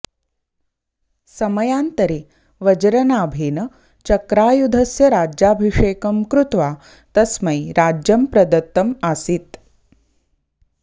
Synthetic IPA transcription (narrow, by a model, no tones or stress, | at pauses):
sɐmɐjaːnt̪ɐɾeː | ʋɐd͡ʒɐɾɐnaːbʱeːnɐ | t͡ʃɐkɾaːjud̪ʱɐsjɐɾaːd͡ʒjaːbʱiʂeːkɐmkɾut̪ʋaː | t̪ɐsmɐjɾaːd͡ʒjɐmpɾɐd̪ɐt̪ːɐmasit̪